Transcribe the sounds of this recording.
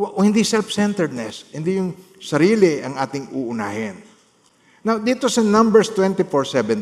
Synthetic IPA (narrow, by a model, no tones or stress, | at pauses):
ʔohɪnd̪isɛlfsɛnt̪ɛɹd̪̚nɛshɪnd̪ijʊŋ | sɐɾiːlɪʔɐŋʔaːt̪ɪŋuːʔʊna̰ːhɪnː | awd̪iːt̪osɐnɐ̃mbɛɹst̪wɛnt̪ɪfoɹsɛvɛn